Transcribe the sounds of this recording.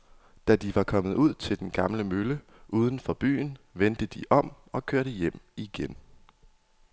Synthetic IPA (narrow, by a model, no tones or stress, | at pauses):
d̥æd̥iʋɑ̈kʰɒ̽mð̞̩ˠuð̞̰ˠt͡sʰe̝ld̥enɡ̥ɑ̈mləmølə | ʔuːð̞ˠn̩fɒ̽b̥y̰ːn̩ʋend̥əd̥iʔɒ̽m̰ | ɒ̽kʰøɐ̰ɾ̥əjem̰iɡ̥en